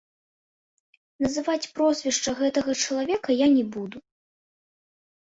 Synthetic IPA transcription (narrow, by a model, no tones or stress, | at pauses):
nɐzɨvat͡sʲpɾɔzʲvʲɛʂt͡ʂɐɣɛt̪ɐɣɐt͡ʂɐlˠavʲɛkɐjanʲɛbud̪u